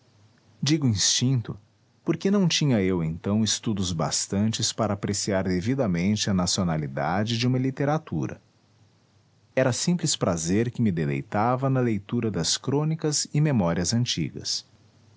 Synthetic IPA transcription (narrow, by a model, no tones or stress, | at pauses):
d͡ʒiɡʊĩst͡ʃĩt̪ʊ | poɾkenɐ̃w̃t͡ʃĩɲɐewẽnt̪ɐ̃w̃ɪst̪ud̪ʊzba̰st̪ɐ̃nt͡ʃɪspaɾɐːpɾesiaɾd̪evid̪ɐmẽnt͡ʃɪɐnasionalid̪a̰d͡ʒɪd͡ʒɪũmɐlit̪eɾat̪uɾɐ̰ | ɛɾɐsĩplɪspɾazeɾkɪmɪd̪elḛjt̪avɐnɐlejt̪uɾɐd̪ɐskɾõnikɐzɪmemɔɾiɐzɐ̃nt͡ʃḭɡɐ̰s